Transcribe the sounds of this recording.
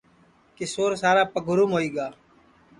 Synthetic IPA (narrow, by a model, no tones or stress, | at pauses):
kɪsoːɾsaːɾaːpəɡʱʊɾumɦoːiːɡaː